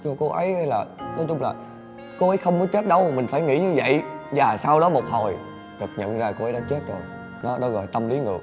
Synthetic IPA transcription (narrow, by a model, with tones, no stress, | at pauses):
t͡ɕɔ˧ko˧ʔə˨˦ja˧jlaː˨˩nɔ˨˦jt͡ɕʊ˧ŋ͡mlaː˨˩ | ko˧ʔə˨˦jxə˧wŋ͡mkɔ˨˦t͡ɕe˦˥t̚ɗə˨˧wmï˨˩ŋ̟faː˧˩jŋḭ˧˥ɲɨ˧və̰˧˨jzaː˨˩saː˧wɗɔ˨˦mo˨˩k͡p̚ho˨˩j | ɗɨ˨˩ək̚ɲə̰˧˨nzaː˧ko˧ʔə˨˦jɗaː˧˦t͡ɕe˦˥t̚zo˨˩j | nɔ˨˦ɗɔ˨˦ɣɔ˨˩jt̪ə˧mli˨˦ŋɨ̰˨˧˩ə˩k̚